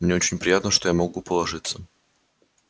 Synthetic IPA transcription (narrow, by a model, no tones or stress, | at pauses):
mnʲeot͡ɕɪnʲpɾʲɪjat̪nəʂt̪ojamɐɡupəlˠɐʐɨt̪sə